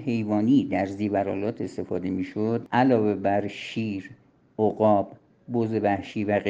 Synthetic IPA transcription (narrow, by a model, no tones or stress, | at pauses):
he̞jvɒːniːd̪æɾziːvæɾɒːlɒːt̪ʰe̞st̪e̞fɒːd̪e̞miːʃod̪ʔælɒːve̞bæɾʃiːɾ | ʔoɣɒːbː | ozevæhʃiːvæɣe